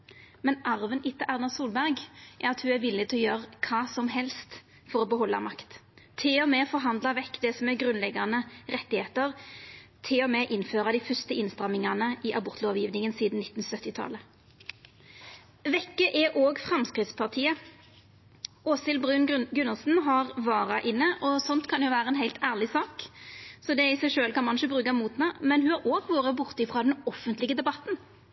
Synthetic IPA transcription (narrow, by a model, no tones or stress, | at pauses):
mɛnʔɑʁʋənʔɪt̪ːəʔæʁnɑsuːlbæʁɡʔæʁɑt̪hʉːæʋɪlːɪt̪ʰɪɔjøːʁəkʰɑːsɔmɦɛlst̪ | fɔʁoːbəɦɔlːɑ̰mɑkt̪t̪ʰɪɔmeːfɔʁɦɑnd̪lɑʋɛkːd̪ɛsɔmɛɡʁʉnlɛɡɑnəʁɛt̪ːɪheːt̪əʁt̪ʰɪɔmeːʔɪnføːʁɑd̪ifʏst̪əɪnst̪ʁɑmɪŋɑnəʔɪʔɑbʊʁt̪ʰloːʋjiːʋnɪŋənsiːd̪n̩nɪt̪ːn̩sœt̪ːɪt̪ʰɑ̰lə | ʋɛkːəʔɛʔoːɡfʁɑmskɾɪt̪spʰɑʁt̪ʰiːə | ʔoːsɪlbʉnɡʉnːəlsn̩ɦɑʁʋɑːʁɑʔɪnːəʔɔsɔnt̪kʰɑnjʊʋæːɾəɛnɦæɪlt̪ʰæːʁlɪsɑːksɔd̪ɛɪsæɪʃøːlkɑnmɑnʃəbʁʉːkɑmuːt̪nɑmɛnhʉhɑɾoːɡʋoːʁəbʊʁt̪ɪfʁɑːd̪ɛnɔfənt̪lɪɡəd̪ɛbɑt̪n